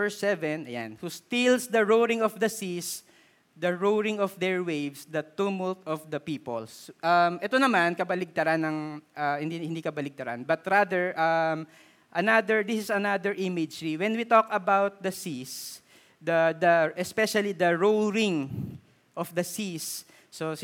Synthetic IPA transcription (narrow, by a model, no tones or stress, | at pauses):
ɛɹsɛvɛ̃nɐ̰ja̰nhust̪ilsd̪ɐɹowɾɪ̃ŋɔfd̪ɐsis | d̪ɐɹowɹɪ̃ŋɔfd̪ɛɹwejvsd̪ɐt̪umɔlt̪ɔfd̪ɐpiːpɔ̰lsʔɐmʔɛt̪onɐmankɐbɐlɪɡ̚t̪ɐɾanɐŋʔɐhɪnd̪ihɪ̃nd̪ikɐbɐlɪɡ̚t̪ɐɾa̰nbɐt̪ɾad̪ɛɹʔɐm | ʔɐnad̪ɛɹd̪isɪsɐnad̪ɛɹʔimɪd͡ʒɹiwɛnwit̪okɐbawt̪̚d̪ɐsis | d̪ɐd̪ɐʔɛspɛʃɐlid̪ɐɹowɾɪŋ | ʔɔfd̪ɐsisː | o